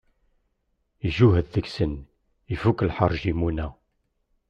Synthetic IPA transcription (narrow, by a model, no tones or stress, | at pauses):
iʒuɦəððəksən | ifukəlħərˤʒimunæ